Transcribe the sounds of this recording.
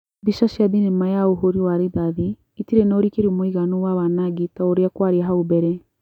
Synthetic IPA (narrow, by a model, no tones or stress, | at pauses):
biʃaʃiabinemajaoɦoɾiwaɾiðaðiː | tiɾenoɾikeɾiomoiɣanowawanaɡitaoɾejakwaɾeaɦaobɛɾɛ